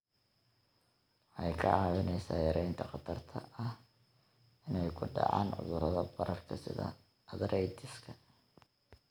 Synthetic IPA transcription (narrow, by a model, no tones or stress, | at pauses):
ħɑjkʰɐʕɑːwɪnɛjsa̰ːjɐɾɛjnt̪ʰɐqɑt̪ʰɐrt̪ʰɐɐh | ɪnɛjkʰʊɖɑ̰ʕɑ̰ːnʕʊ̰ðʊɾɐðɐbɐɾɐrkʰɐsɪ̰ðɐ̰ | ɐðɾɛjd̪ɪskʰɐ